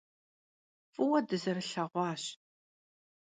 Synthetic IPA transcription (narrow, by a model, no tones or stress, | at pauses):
fʼuwɐdɨzɐrɬɐʁʷɑːɕ